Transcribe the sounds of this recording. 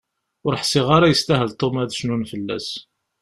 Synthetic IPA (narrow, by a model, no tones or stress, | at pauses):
ʊɾħsɪʁaɾajəst̪æɦəlt̪ˤomæðʃnunfəlːæ̰s